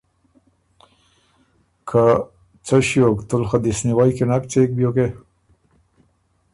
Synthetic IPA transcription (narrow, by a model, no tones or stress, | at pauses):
kʰa | t͡saɕjokt̪ulxad̪isniwajkenak̚t͡sek̚bjoke